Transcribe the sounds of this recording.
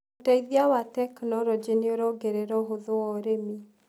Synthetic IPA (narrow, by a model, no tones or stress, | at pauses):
otaiðiawatɛknɔɾɔd͡ʒenioɾɔɡeɾɛɾɔɦoðoɔɾemi